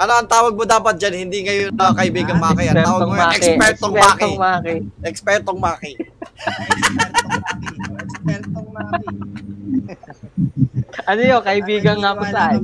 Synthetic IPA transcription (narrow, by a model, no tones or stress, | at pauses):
ʔɐnoʔɐŋt̪aːwɐɡ̚mod̪aːpɐt̪̚d͡ʒanhɪnd̪iŋɐjonɐkɐʔɪbiːɡɐŋmɐakɪʔɐawɐɡɐjɛspɛɾt̪oaːkmaːkɛʔɛkspɛɾt̪oŋmaːkɪ | akɛkspɛɾt̪oŋmaːkɪ | ʔɐnojokɐʔɪbiːɡɐŋamʊsɐa